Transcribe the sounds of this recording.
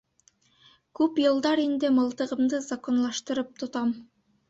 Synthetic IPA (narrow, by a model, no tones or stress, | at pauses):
kɵpjɯlˠd̪ɑɾind̪emɯlˠt̪ɯʁɯmd̪ɯzako̞nlˠɑʃt̪ɯɾɯp̚t̪ʰut̪ɑm